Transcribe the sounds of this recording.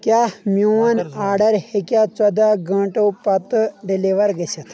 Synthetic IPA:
kʲaːhmuɐnaːɾɖɐɾhekʲaːt͡sɐd̪aɡɐ̃ːʈopɐt̪ɨɖiliʋɐɾɡesɐt̪ʰ

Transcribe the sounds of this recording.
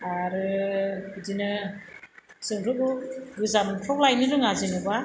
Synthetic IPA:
aɾɯbɯdinɯ | sɯŋɾɯkɯbɯzamtʰɔk̚lajnɯɾɯŋazinɯba

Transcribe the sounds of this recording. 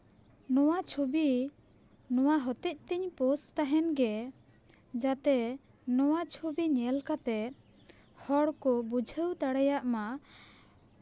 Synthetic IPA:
nɔwat͡ʃʰobi | nɔwaɦɔt̪ɛc̚t̪ɛɲpɔst̪aɦɛnɡɛ | d͡ʒat̪ɛ | nɔwat͡ʃʰobiɲɛlkat̪ɛ | hɔɽkɔbud͡ʒʱəwt̪aɽajaʔma

